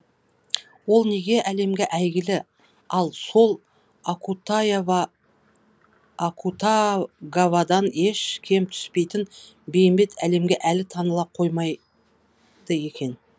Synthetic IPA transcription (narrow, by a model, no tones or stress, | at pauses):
wo̞lˠne̞ɡʲe̞ʔæle̞mɡʲe̞ʔæjɡʲɪlɪ | ɑlˠso̞lˠ | kut̪v | kʰut̪aɡavɑd̪ɑne̞ʃkʲʰe̞mt̪ʰʏ̥spe̞jt̪ɪn | be̞jmbe̞t̪ʰæle̞mɡʲe̞ʔælɪt̪ʰɑnəlˠɑp̚qʰo̞jmɑj | d̪̥əje̞kʲe̞n